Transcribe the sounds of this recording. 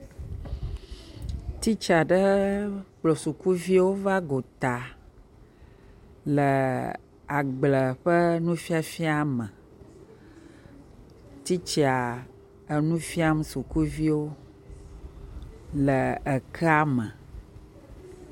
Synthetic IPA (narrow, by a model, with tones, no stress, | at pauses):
t̪i˦t͡ʃa˨ɖə˦k͡plo˨su˨ku˦vi˦wo˦va˦ɡo˨t̪a˨ | lə˨ | a˨ɡ͡blə˨ɸə˦nũ˦fi˦a˨fi˦a˨mə̃˨ | t̪i˦t͡ʃi˦a˨ | ə˨nũ˦fi˦a˦msu˨ku˦vi˦wo˦ | lə˨ə˨kʰə˦a˦mə̃˨